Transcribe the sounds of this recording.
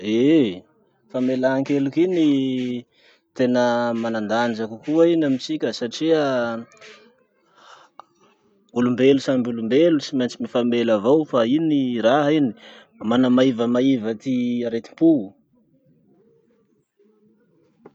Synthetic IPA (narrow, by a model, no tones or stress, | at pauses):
e | famelaaŋkelukini | t̪enəmanand̪and͡ʒakukuainamit͡sikʲəsaʈ͡ʂiə | ulumbelusambulumbelusimant͡simifamelavawfainiɾaɦini̥ | manamaivəmaivət̪iaɾet̪i̥mpu